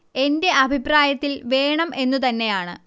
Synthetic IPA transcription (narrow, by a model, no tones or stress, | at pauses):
e̞nde̞ʔɐbʱipraːjɐt̪ːilʋe̞ːɳɐmʔe̞nːut̪ɐnːe̞jaːɳɨ̰